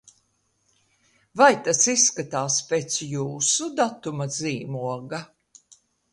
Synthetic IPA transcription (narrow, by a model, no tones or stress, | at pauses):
vajt̪asisːkat̪aːspʲet̪sjuːsud̪at̪umaziːmuɔɡa